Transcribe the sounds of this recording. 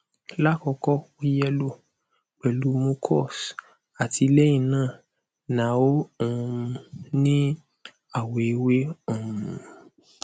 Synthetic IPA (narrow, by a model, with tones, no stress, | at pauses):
la˦kɔ˧kɔ˦o˦jɛ˦lo˦ | k͡pɛ˨lu˨˦mũ˧kʰɔ˦˨s | a˨tʰi˧lɛ˦ĩ˦˨nãː˦˨ | nã˨˦õ˦˨˧ | nĩ˦ | a˦˨we˨i˨˦we˦o˦˨ũũ˨